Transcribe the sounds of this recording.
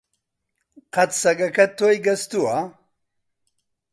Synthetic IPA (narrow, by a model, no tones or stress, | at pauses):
qɐt̪sɐɡɐkʰɐt̪ʰːojɡɐst̪ua